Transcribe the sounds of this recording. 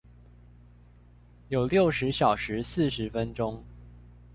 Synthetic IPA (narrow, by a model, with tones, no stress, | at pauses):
jo˨˩ʊljo˥˨ʊʂɻ̩˨˦ɕjɑ˨˩ʊʂɻ̩˨˦sɹ̩˥˨ʂɻ̩˨˦fə˦nʈ͡ʂʊ˦ŋ